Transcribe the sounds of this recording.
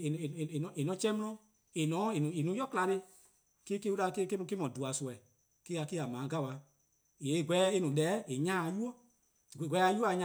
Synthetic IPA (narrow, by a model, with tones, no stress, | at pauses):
e˨nɔ̃˨e˨nɔ̃˨˦t͡ʃɛ̃˦mɔ̃˦ɔ̃˧˦ | e˨nɔ̃˨˦e˨nũ˨e˨nũ˨˦jɔ˦kla˧ɾe˧ | ke˦ke˦u˦ɾa˧ke˦ke˦m̃˧ke˦mɔ̃˨du˨a˨su˨ɛ˨ | ke˦a˧ke˦a˨mãː˨˦ɡa˦˨wa˨ | e˨˦˨ɡʷɛ˨˦e˦nũ˨lɛː˨˦e˨ɲãː˦˧ju˦ɔ˦˨ | ɡʷɛ˨˧˦a˧˦ju˦˨˦ɲã˦